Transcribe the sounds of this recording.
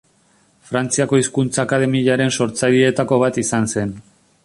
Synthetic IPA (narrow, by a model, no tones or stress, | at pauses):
fɾant͡siako̞iskunt͡saːkað̞e̞miʎaɾe̞nso̞ɾt͡saʎie̞t̪ako̞β̞at̪isanse̞n